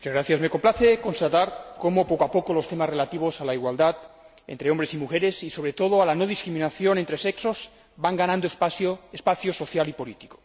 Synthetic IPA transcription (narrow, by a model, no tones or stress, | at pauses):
mut͡ʃazɣɾaθjazme̞ko̞mplaθeko̞nst̪at̪aɾkomopokoapokolo̞st̪emasrelat̪iβ̞osalaiɣwald̪at̪ | ḛnt̪ɾeombɾesimuxeɾe̞siso̞βɾe̞t̪oð̞oalanoðiskɾimĩnaθjo̞nent̪ɾe̞sekso̞z | baŋɡanãnd̪ooespaθjoso̞θjalipolit̪i̥ko̥